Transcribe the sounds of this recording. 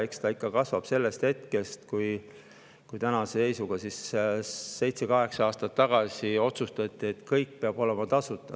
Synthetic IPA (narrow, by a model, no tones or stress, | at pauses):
ekst̪ɑikːɑkɑsvɑb̥se̞lːe̞st̪he̞t̪ke̞st̪kuj | kujt̪ænɑsese̞jsuɡ̥ɑsis | se̞jt̪sekɑɦe̞ksɑɑːst̪ɑt̪ːɑɡ̥ɑsio̞t̪sust̪ɑt̪ʲːˑie̞t̪kɤjk̚ːpeɑb̥o̞le̞mɑt̪ɑsut̪ːˑɑ̥